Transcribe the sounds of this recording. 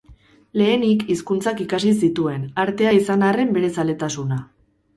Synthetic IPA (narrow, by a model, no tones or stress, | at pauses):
le̞ːnikiskunt͡sakikasis̬it̪ue̞naɾt̪e̞aisanare̞mbe̞ɾe̞sale̞t̪asuna